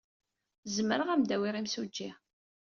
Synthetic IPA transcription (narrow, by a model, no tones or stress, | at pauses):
zməɾəʁæmd̪æwiʁimsud͡ʒːi